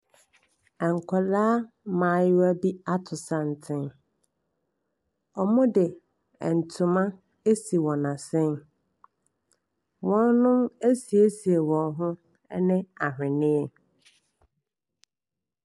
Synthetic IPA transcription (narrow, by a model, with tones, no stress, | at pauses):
ɛ˨ŋ̩˨kʰɔ˨laː˦ | mã˨˦˨jʊ˦æ˦bi˦a˦tʰʊ˨sa˨n̩˨tʰɪ̃˦n | ɔ˨mʊ̃˦dɪ˨ | ɛ˨n̩˨tʰʊ˨mã˦ | e˦si˨wɔ̃˨nã˨sɪ̃˦n | wɔ̃˦n˦nʊ̃˦me˦si˨e˦si˨e˨wɔ̃˨nɦʊ̃˦ | ɛ˦nɪ̃˦a˨ɦᶣɪ̃˨nɪ̃˦ɛ˨